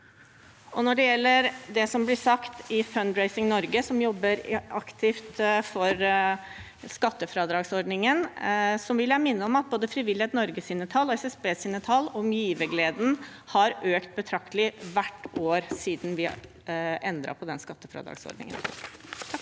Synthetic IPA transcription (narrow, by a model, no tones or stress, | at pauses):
ʔɔnɔɖɛjɛlːəɾd̪ɛsɔmblɪsɑkt̪ɪfœnd̪ɹeɪsɪŋnɔɾɡəsɔmjɔbːəɾɑkt̪ʰɪft̪fɔɾ | skɑt̪ːəfɾɑːd̪ɾɑːɡsɔɖnɪŋənsɔmʋɪljæɪmɪnːəɔmɑt̪̚boːd̪əfɾɪʋɪlɪhɛːt̪nɔɾɡəsɪnːət̪ʰɑlːɔɛsɛsbeːsɪnːət̪ʰɑlːɔmjiːʋəɡleːd̪n̩ | hɑɾøːkt̪̚bət̪ʰɾɑk̚t̪ʰəlɪʋæʈːoːɾsiːd̪n̩ʋɪ | ʔɛnd̪ɾɑ̰pʰɔd̪ɛnskɑt̪ːəfɾɑ̰ːd̪ɾɑ̰ːɡsɔ̰ɖnɪ̰ŋə̰n